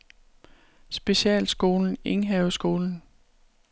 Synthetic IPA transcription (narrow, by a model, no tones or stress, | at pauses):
sb̥e̝ɕɛ̰ːlsɡ̥o̝ːln̩e̝ŋɦɛʊsɡ̥o̝ːln̩